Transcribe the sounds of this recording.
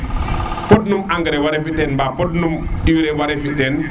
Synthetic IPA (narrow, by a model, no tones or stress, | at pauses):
pɔd̚numaŋɡəɾɛwaɾɛfitɛnbapɔd̚numiwiɾɛwaɾɛfitɛn